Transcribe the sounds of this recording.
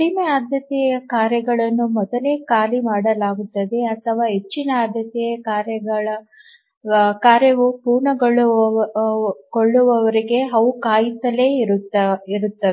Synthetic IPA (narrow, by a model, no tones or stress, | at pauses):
ɽimeaːd̪ʱjɐt̪ɛjɐjɐkaːɾjɐɡɐɭɐnːumɔd̪ɐleːkaːlimaːɽɐlaːɡut̪ːɐd̪e̞ɐt̪ʰɐʋaːɦe̞t͡ʃːinɐaːd̪ʱjɐt̪ɛjɐkaːɾjɐɡɐɭɐ | kaːɾjɐʋupuːɾɳɐɡɐɭu | koɭːuʋɐʋɐɾiɡe̞ɦɐwkaːjit̪ɐle̞ːɾut̪ːɐiɾut̪ːɐe